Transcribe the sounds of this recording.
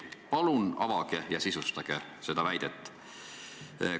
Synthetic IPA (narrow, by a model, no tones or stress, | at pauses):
pɑlunɑvɑɡ̥ejɑsisust̪ɑɡ̥ese̞d̪̥ɑvæjd̪̥et̪ːˑ